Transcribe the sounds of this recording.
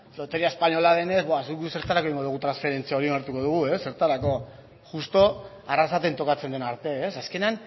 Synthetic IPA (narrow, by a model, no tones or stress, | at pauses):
lo̞t̪e̞ɾiaespaɲo̞laðe̞ne̞zbasuuse̞ɾt̪alakoiŋɡo̞ðuɣut̪ɾansfe̞ɾe̞nt͡siaoɾioneɾt̪uko̞ð̞uɣ̞ue̞sːe̞ɾt̪aɾako̞ | ʝust̪o̞ | arasat̪ent̪o̞kat͡se̞nd̪e̞naɾt̪e̞ːsaske̞nean